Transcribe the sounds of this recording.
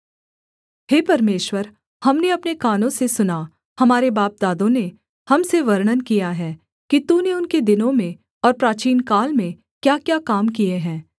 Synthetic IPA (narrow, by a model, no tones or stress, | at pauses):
ɦeːpɐɾmeːʃwəɾ | hɐmneɐpnekaːnõsesʊna | hɐmaːɾebaːp̚d̪aːd̪õne | hɐmseʋɐɾɽənkijaɦɛː | kit̪uːneʊnked̪ɪnõmẽ | ɔːɾpɾaːt͡ʃiːnkaːlmẽ | kjaːkjaːkaːmkieɦɛ̃ː